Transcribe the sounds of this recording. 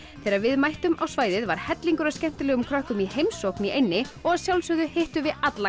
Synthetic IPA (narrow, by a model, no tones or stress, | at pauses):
θɛːɾaɾvɪðmajht̪ʏmawsvaːjðɪðvaɾ̥hɛt̪liŋkʏɾascɛm̥t̪ʏlɛːɣʏmkʰɾœhkʏmihejmsowhkniʔejnːɪɔɣaðsjawlsœðʏhejht̪ʏvɪðat̪la